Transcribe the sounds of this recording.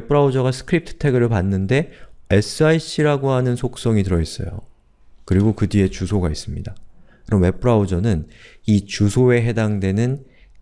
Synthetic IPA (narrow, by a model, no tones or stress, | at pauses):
p͈ʰɯɾaud͡ʑʌɡasʰɯ̥kʰɯɾip̚tʰɯ̥tʰe̞ɡɯɾɯɭpanːɯnde̞e̞sʰɯaiɕʰiɾaɡoɦanɯnsʰok̚s͈ʌŋitɯɾʌis͈ʌ̰jo̰ | kɯɾiɡokɯdie̞t͡ɕusʰoɡais͈ɯmɲidakɯɾʌmːe̞p͈ʰɯɾaud͡ʑʌnɯnit͡ɕusʰoe̞ɦe̞daŋdwe̞nɯn